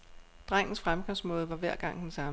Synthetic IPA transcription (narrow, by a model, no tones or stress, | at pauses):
d̥ʁaŋ̰n̩sfʁamɡ̥ɑsmɔ̽ːð̞̩ˠʋɑ̈ʋæɐ̰ɡ̥ɑ̈ŋ̰d̥ensɑ̈m